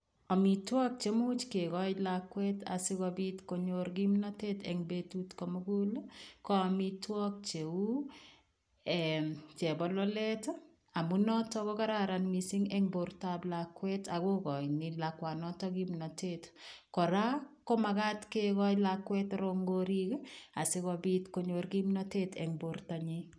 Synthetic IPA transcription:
amitwɔk̚t͡ʃemut͡ʃkeɡɔjlakwɛta̰sɪkabitkoɲoɾɡimnɔtetɛŋbetutkɔmoɡulkɔamitwɔk̚t͡ʃeu | ɛt͡ʃɛbɔlɔlɛt | amunɔtɔkɔkaɾaɾanmisiŋɛŋboɾtablakwɛtaɡokɔjnɪlakwanɔtɔɡimnɔtetkɔɾakɔmakatkekɔjlakwɛtɾoŋɡoɾikasekɔbitkoɲoɾɡimnɔtetɛ̰ŋboɾtaɲi

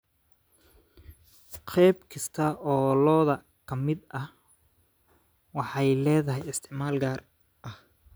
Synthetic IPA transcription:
qʰɛjbkʰɐst̪ʰɐɔːlɔːðɐ | kʰɐmɪd̪ɐh | wɑħɑjlɛːðɐɦɛjɪst̪ʰɪʕmaːlɡaːr | ʔɐh

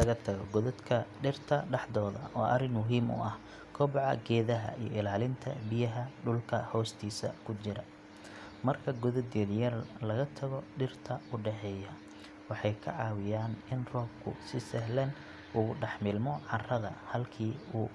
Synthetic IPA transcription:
lɐɣɐt̪ʰɐɣɔɡɔðɔd̪kʰɐɖɪrt̪ʰɐɖɑħd̪ɔːðɐ̰ʔɔːʔɐrɪnmʊɦiːmʊ̰ʔɐh | kʰɔːbʕɑ̰ɡɛːðɐɦɐ̰ijɔ̰ɪlaːlɪnt̪ʰɐ̰bɪjɐɦɐɖʊlkʰɐhɔːst̪ʰiːsɐ̰kʰʊt͡ʃɪɾɐ | mɐrkʰɐɡʊðɔd̪ɛðjɐrlɐɣɐt̪ʰɐɣɔɖɪrt̪ʰɐʊɖɛħɛːjɐ | wɑħɑjkʰɐ̰ʕɑːwɪjaːnɪnrɔːb̚kʰʊ̰sɪsɛɦlɛn | ʊʊɖɑħmɪlmɔʕɑrɐðɐhɐlkʰiːuː

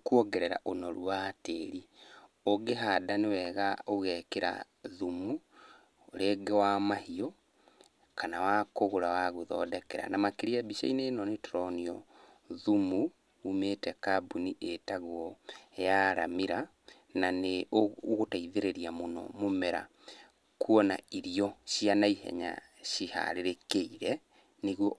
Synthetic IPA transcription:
kwɔɡɛɾɛɾa̰ʔonɔɾuateɾi | oɡeɦadanewɛɣaoɣɛkeɾa̰ | ðumu | ɾeɡewamahiɔ | kanawakoɣoɾawaɣuðɔ̰dɛkɛɾa̰namakeɾiabiʃa̰inenɔnetɾɔniɔ | ðumu | umetɛkabuniʔetaɣwɔejaɾa̰miɾa | naneooɣotaiðeɾeɾiamonɔ̰momɛɾa̰ | kuɔna̰iɾiɔʃianaihɛ̰ɲa̰ | ɕiha̰ɾeɾekeiɾɛ | neɣwɔ

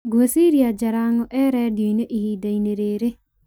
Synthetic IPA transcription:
ɡuʋesiːɾijad͡ʒɐɾaːŋoʔɛːɾɛːd̪iineʔiɦiːd̪ɐjneɾeːɾe

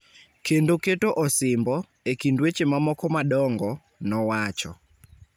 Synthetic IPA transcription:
kendoketoʔɔsɪmbɔ | ekindwet͡ʃemamɔkɔmadɔŋɡɔ | nɔwat͡ʃɔ̰

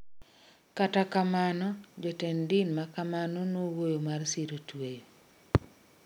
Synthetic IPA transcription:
katakamanɔd͡ʒɔtendɪnmakamanɔnowojomarsiɾotwejo

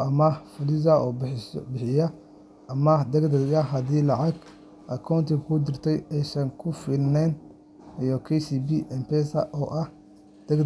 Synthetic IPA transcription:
ɐmɐfʊlɪzɐʔɔːbɪħɪjɐ | ɐmɐd̪ɐɡd̪ɐɣɐɦɐðiːlɑʕɑɡ | ʔɐkʰawnt̪ʰɪkʰʊd̪ɪrt̪ʰɛjɛjsɐŋkʰʊfɪlnɛn | iɔkʰɛsiːbiːʔɛmpʰɛsɐ̰ʔɔːʔɐh | d̪̥ɐɡ

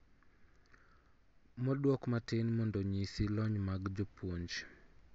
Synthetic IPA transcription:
mɔdwɔkmatɪnmɔndɔɲisilɔɲmaɡd͡ʒɔpwoɲd͡ʒ

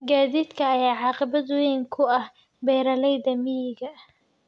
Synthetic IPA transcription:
ɡaːðiːd̪kʰɐːjaːʕɑːqɪbɐd̪wɛjŋkʰʊɐh | bɛːɾɐlɛjðɐmɪjɪɡɐ

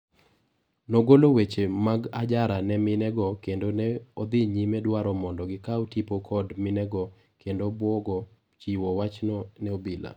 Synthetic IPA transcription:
noɡolowet͡ʃemaɡad͡ʒaɾanɛmɪnɛɡɔkendonɛɔd̪ɪɲimɛdwaɾɔmɔndɔɡɪkaɔtipokʰɔdmɪnɛɡɔ | kʰendobwɔɡɔ | t͡ʃiwɔwat͡ʃnɔnɛobila̰

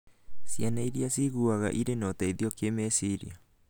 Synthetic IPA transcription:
sianajɾiasiɣuaɣa̰ʔiɾenot̪aiðiokemesiɾḭa

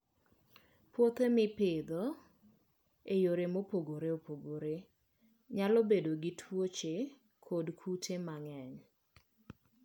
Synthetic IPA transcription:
pwot̪emɪpɪd̪o | ejoɾemopoɡoɾeopoɡoɾe | ɲalɔbedoɡɪtʰwot͡ʃe | kʰodkʰutʰemaŋɛɲ

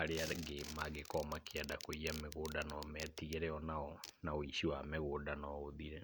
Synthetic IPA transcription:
aɾeaɡemaɡekɔmakeɛdakoiameɣoːdanɔmɛtiɣeɾɛɔnaɔnaoiʃiwameɣoːdanɔoðiɾɛ

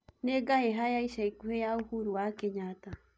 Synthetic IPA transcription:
neɡaheɦajaiʃaikuheauhuɾuakeɲat̪a

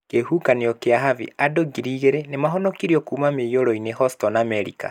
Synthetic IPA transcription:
kehukaneɔkeaɦavḭadoɡiɾiɣeɾenemaɦɔnɔkiɾiɔkuːmamejoɾɔinehɔstɔnamɛɾika̰

